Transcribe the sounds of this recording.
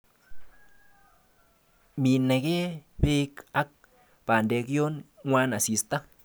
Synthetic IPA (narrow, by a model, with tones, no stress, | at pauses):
mi˧ne˧ɡe˦be˦ka˦k̚ | pa˨nd̪e˧ɡjo˦nwʷa˦na˨si˧st̪a˦